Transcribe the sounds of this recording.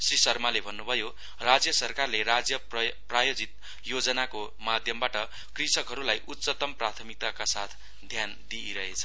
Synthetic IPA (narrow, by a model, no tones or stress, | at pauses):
srisʌrmalebʱʌnːubʱʌjo | rad͡zjʌsʌrkarlerad͡zjʌ | prajod͡zit̪̚ | jod͡zʌnako | mad̪ʱjʌmbaʈʌ | krisʌkɦʌɾulajʔut̪ːsʌt̪ʌmprat̪ʰʌmik̚t̪akasat̪ʰ | d̪ʱjand̪iiɾʌɦet͡sʰʌ̥